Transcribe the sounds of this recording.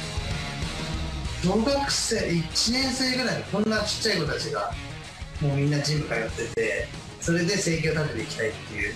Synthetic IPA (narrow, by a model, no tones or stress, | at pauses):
d̪̥o̞ːɡakɯ̟̥se̞ːit͡ɕinẽ̞ɰ̃se̞ːɡɯ̟ɾaid̪kõ̞nːat͡ɕi̥t͡ɕːaiko̞t̪ot̪at͡ɕiɡa | mo̞ːmʲĩnːad͡ʑĩmbɯ̟kajo̞t̪ːe̞t̪e̞ | so̞ɾe̞d̪e̞se̞ːk̬ʲo̞ːt̪at̪et̪eikʲi̥t̪ait̪ːe̞jɯ̟ː